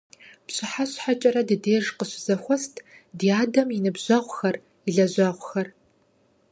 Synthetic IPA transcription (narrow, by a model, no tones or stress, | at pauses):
pɕʼɨħaɕħat͡ʃʼɐɾɐdɨdeːʒqəɕɪzɐxʷɔstʰdiːaːdɐminɨbʑʷɐʁʷxɐr | iɮɐʑʷɐʁʷxɐr